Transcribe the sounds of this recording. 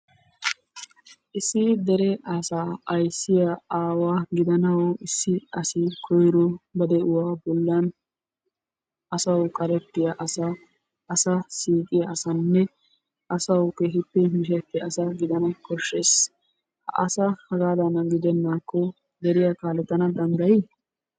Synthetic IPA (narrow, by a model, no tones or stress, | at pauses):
ʔɪsːɪd̪ɛɾɛʔɐsaːɐjsːɪjɐaːwaːɡɪd̪ɐnɐwɔʔɪsːɪɐsɪkʰɔjɾɔbɐd̪ɛʔʊwaːbɔlːɐn | ʔɐsɐwkʼɐɾɛt̪ːɪjɐʔɐsaː | sɐsiːkʼɪjɐːsɐnːɛ | ʔɐsɐwkeːɦɪt̪ːɪmɪʃ̬ɛt̪ːɪɐsɐɡɪd̪ɐnɐkɔʃːeːs | hɐ̰ʔɐ̰sɐhɐɡaːd̪ɐnɐɡɪd̪ɛnːaːkːɔ | d̪ɛɾɪjakaːlɛt̪ːɐnɐd̪ɐnd̪ɐjɪ